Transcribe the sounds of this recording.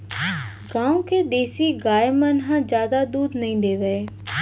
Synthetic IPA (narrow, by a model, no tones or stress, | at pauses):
ɡãːũked̪eːsiːɡaːemənɦãːd͡ʒjaːd̪ad̪uːd̪nəĩːd̪eːʋeeː